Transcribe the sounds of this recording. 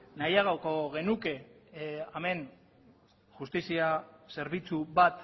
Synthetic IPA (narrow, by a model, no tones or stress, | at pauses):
najaɣawko̞ɣe̞nuke̞ | ame̞n | ʝust̪isiase̞ɾβit͡suβat̪